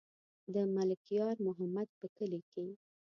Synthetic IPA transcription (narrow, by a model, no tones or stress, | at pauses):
d̪əmalɪkijɑɾmʊɦamad̪̚pəkəlike